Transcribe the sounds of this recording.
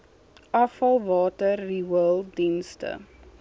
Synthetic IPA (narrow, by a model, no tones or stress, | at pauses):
ʔɐfɐlˠvɑːtərːiwəlˠdinstə̰